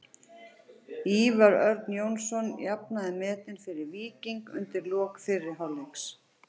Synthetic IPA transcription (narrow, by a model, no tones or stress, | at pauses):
iːvaɾœɾt̪njownsɔnjapnaðɪmɛːt̪ɪnfɪɾɪɾviːciŋkʏ̰nt̪ɪɾlɔːkfɪrːɪ̥ɦaleks